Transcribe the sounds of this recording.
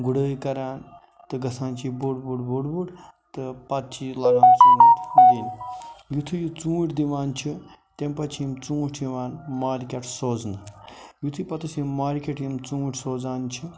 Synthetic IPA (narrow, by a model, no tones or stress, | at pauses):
ɡuɽəːjkɐɾaːn | t̪ɨɡɐsaːnt͡ʃʰibuɽbuɖbuɽbuɽ | t̪ɨpɐt̪̚t͡ʃʰilɐɡaːnt͡sʰinut̪liːnjut̪ʰɨjut͡sũːʈʲd̪iʋaːnt͡ʃʰi | t̪empɐt͡ʃʰjimt͡sũːʈʰiʋaːnmaːɾkʲeʈsoːznɨjut̪ʰɨpɐt̪ʰɨsimaːɾkʲeʈjimt͡sũːʈʰsoːd͡zaːnt͡ʃʰi